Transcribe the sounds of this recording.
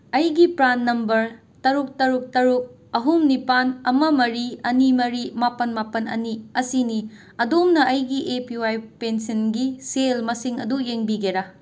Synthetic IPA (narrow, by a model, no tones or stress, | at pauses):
ɐjɡipɾanːɐmbɐɾ | tɐɾuk̚tɐɾuk̚tɐɾuk̚ | ɐɦumnipanɐmɐmɐɾiɐnimɐɾimapɐnmapɐnɐ̰niɐsini | ɐdomnɐʔɐjɡiʔepiwajpensɐnɡiselmɐsiŋɐ̰dujeŋbiɡeɾa